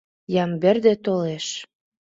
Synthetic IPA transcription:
jɑmbĕrd̪ĕt̪oleʃ

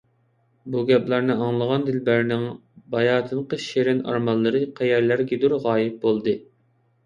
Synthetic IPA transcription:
buɡʲɛplˠɑɾnɨɑŋlˠəʁɑnd̪ɪlbæɾnɪŋbɑjɑːt̪ʰɨnqəʃeɾɪnɑ̰ɾmɑlˠːɨɾɨqʰɛjæɾlæɾɡʲid̪uɾʁɑːjɪp̚bolˠd̪ɨ

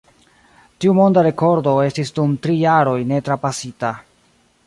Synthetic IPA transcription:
tiumo̞ndaɾe̞ko̞ɾdo̞e̞stisdumtɾijaɾo̞jne̞tɾapasita

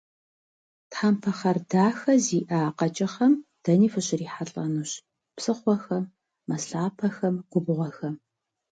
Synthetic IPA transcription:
tħampʰɐχɐrdaːxɐziːʔaːqɐt͡ʃʼɐχɐmd̥ɐniːfɨɕɪriːħaɬʼɐnuɕ | psɨχʷɔxɐmː | ɐsɬaːpʰɐxɐmqʷʊbʊʁʷɔxɐ

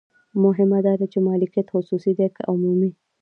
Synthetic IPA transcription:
mʊɦɪmad̪ɑd̪at͡ʃemɑlɪkijat̪xʊsusid̪ekʊmumi

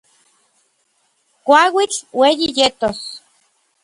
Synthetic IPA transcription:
kʷawit͡ɬwejijet̪os

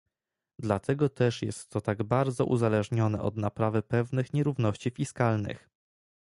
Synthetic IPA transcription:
d̪lat̪ʰɛɡɔt̪ɛʂjɛ̰st̪ːɔt̪aɡbaɾd̪zɔ̰ʔṵzalɛʐɲɔnɛ̰ʔɔ̰d̪napɾavɘpɛvnɘxɲɛɾuvnɔɕt͡ɕifʲiskalnɘ̰x

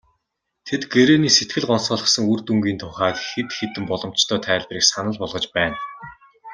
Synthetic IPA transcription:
t̪ʰet̪ɡeɾeːniːset̪ɡɘ̆ɮɢɔnsɔːɮɞ̆χsə̆ŋur̥t̪uŋɡiːnt̪ʰʊχaːt̪xet̪xet̪ɘ̆mpɔɮɞ̆m̥t͡ɕt̪ʰœːt̪ʰæːɮʲpriːksanə̆ɮpɔɮʁɞ̆t͡ɕpæːn

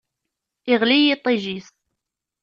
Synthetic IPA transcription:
ɪʁlijit̪ˤːiʒis

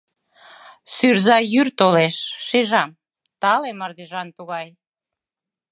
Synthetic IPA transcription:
syrzɑjyrt̪oleʃʃeʒɑm | t̪ɑlemərd̪iʒɑnt̪uɣɑj

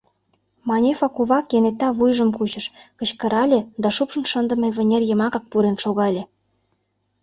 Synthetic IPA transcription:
mɑnʲefɑkuβɑkjenet̪ːɑβujʒə̆mkut͡ɕə̆ʃkə̆t͡ɕkə̆ɾɑlʲed̪ɑʃupʃə̆nʃənd̪ə̆meβʲĕnʲerjə̆mɑkɑk̚puɾenʃoɣɑlʲe

